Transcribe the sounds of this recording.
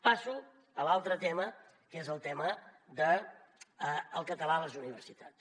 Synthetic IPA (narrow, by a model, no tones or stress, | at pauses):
pasu | əlalˠt̪ɾət̪emə | kezəlˠt̪ɛməd̪ə | əlˠkət̪əlaləzuniβ̞əɾsit̪at͡s